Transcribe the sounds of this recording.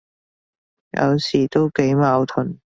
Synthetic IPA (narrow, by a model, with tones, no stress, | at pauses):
jɐ̰˨˧wsiː˨˩t̪o˥wke˨˥jmaː˨˧wt̪ʰɵ˨˩n